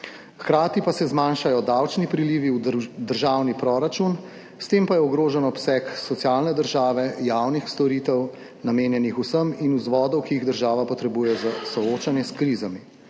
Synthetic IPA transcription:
xkɾaːt̪ipasɛzmanʃajɔd̪awt͡ʃnipɾiliːʋiwd̪əɾʒaːwnipɾɔɾat͡ʃun | st̪eːmpajɛɔɡɾoːʒɛnɔpsɛksɔt̪siaːlnɛd̪əɾʒaːʋɛjawnixst̪ɔɾiːt̪ɛw | nameːnjɛnixusəminuzʋɔːd̪ɔwkiiɣd̪əɾʒaːʋapɔt̪ɾɛbuːjɛzasɔoːt͡ʃanjɛskɾiːzami

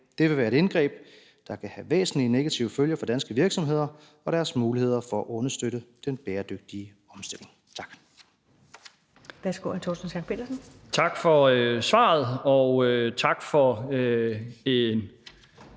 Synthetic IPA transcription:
d̥e̝ʋe̝ʋæːɐe̝ɾe̝nɡ̥ʁɛ̰ːb̥ | d̥ɑ̈kʰæhæʋḛːsn̩liəne̝ɡ̥æt͡sʰḭʊəføljɐfɒ̽d̥ænsɡ̥əʋiɐɡ̥sɒ̽mɦe̝ð̞̰ˠɐ | ɒ̽ɾ̥æɐsmuːlihe̝ð̞̰ˠɐfɒ̽æʔɔ̽nɐsd̥øɾəd̥enb̥eːɐd̥øɡ̥̚d̥iə | ɒ̽msd̥e̝l̰ʔe̝ŋ | t͡sʰɑ̈ɡ̥ | ʋæɐsɡ̥o̰hæt͡sʰɔ̰ːsn̩sjɑɡ̚pʰe̝ːd̥ɐsn̩ | t͡sʰɑ̈ɡ̥fɒøsʋɑ̰̈ːð̞̩ˠɒøt͡sʰɑ̈ɡ̥fɒøe̝n

